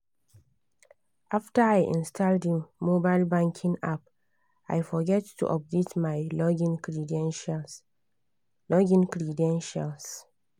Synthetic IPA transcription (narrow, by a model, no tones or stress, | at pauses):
ʔaftəaɪʔḭ̃nstʰaldimobaɪlbãŋkʰĩŋap | a̰jfɔɡɛtːṵʔɔp̚detmaɪ̃ | lɔɡĩnkɹidɛ̃nʃals